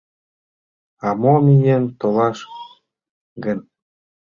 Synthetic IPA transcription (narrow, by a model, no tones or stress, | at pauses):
ɑmomʲijent̪ɤ̆lˠɑʃ | ɡɘ̆nʲ